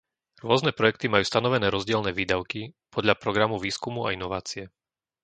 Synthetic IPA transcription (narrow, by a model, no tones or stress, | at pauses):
ɾʊɔznɛpɾɔjɛk̚t̪imajuːst̪anɔʋɛnɛːɾɔzɟɪɛlnɛːʋiːd̪aʊkipʰɔd̪ʎapɾɔɡɾamuʋiːskumua̰inɔʋaːt͡siɛ